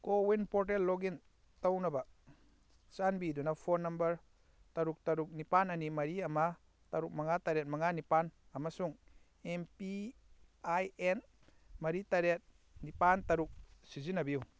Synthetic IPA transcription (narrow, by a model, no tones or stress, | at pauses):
kowinpɔɾʈ̬elːɔɡin | t̪awnɐba | sanbidunapʰɔnːɐmbɐɾ | t̪aɾuk̚t̪aɾuk̚nipananimɐɾiama | t̪aɾuk̚maŋat̪aɾet̚mɐŋanipan | amasuŋ | empi | ajen | mɐɾit̪aɾet̪̚ | nipant̪aɾuk̚sizinabiw